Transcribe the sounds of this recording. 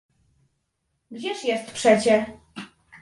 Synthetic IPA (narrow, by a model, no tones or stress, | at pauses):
ɡd͡ʑɛʂjɛst̪pʂɛt͡ɕɛ